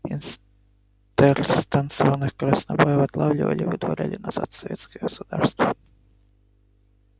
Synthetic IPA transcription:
ins | t̪ɛɾst̪ansɔʋɐnɪxkɔɾɐsnɐbɔjɛʋɐt̪lˠawlʲʊʋɐ̰lʲiʋɪd̪ʋɔɾʲa̰lʲinɐza̰t̪sɔʋʲɛt̪sʲkɛɔsʊd̪aɾst̪ʋɐ

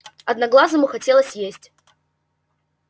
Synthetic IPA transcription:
ɐd̪nɐɡlˠazɨmʊxɐtʲelˠəsʲjesʲtʲ

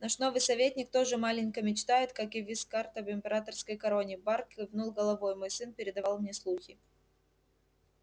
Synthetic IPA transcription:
nɐʂno̞vɨjsɐvʲetʲnʲɪkt̪o̞ʐɨmalʲɪnʲkəmʲɪt͡ɕt̪ajɪt̪kakɪvʲɪskart̪əvɪmʲpʲɪɾat̪ərskəjkɐɾo̞nʲɪbarkʲɨvnulˠɡəlˠɐvo̞jmo̞jsɨnpʲɪɾʲɪd̪ɐvalˠmnʲeslˠuxʲɪ

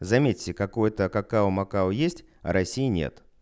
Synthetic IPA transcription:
zɐmʲetʲːɪkɐkojt̪əkɐkaʊmɐkaʊjesʲtʲ | ɐ̰ɾɐsʲijɪnʲḛt̪

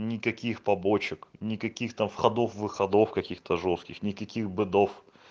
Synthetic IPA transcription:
nʲɪkɐkʲixpɐbot͡ɕɪknʲɪkɐkʲixt̪amfxɐd̪ofvɨxɐd̪ofkɐkʲixt̪əʐoskʲɪxnʲɪkɐkʲixbɨd̪of

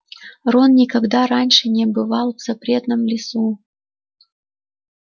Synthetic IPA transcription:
ronnʲɪkɐɡd̪aɾanʲʂɨnʲɪbɨvalˠvz̥ɐpɾʲe̞t̪nəmlʲɪsu

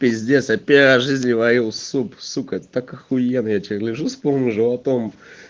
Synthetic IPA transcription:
pʲɪzʲdʲesʲjapʲeɾɐʐɨzʲnʲɪvɐjilˠsupsukɛt̪ət̪akɨxʊjenəjat͡ɕeɾlʲɪʐuspolˠnʲəʐɨɐt̪om

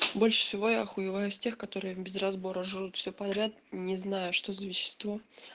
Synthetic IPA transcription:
bo̞lʲʂɨ̥sʲɪvo̞jaɐxʊjɪvajʊsʲtʲe̞xkɐt̪o̞ɾɨjɪbʲɪzrɐzbo̞ɾəʐɨɾut̪fʲsʲopɐd̪ɾʲat̪nʲɪznajʊʂt̪o̞zəvʲɪɕːɪ̥st̪vo̞

